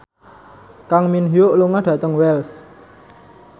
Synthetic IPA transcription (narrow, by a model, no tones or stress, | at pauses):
kaŋminɦioʔluŋaɖ̥ä̤t̪əŋwɛls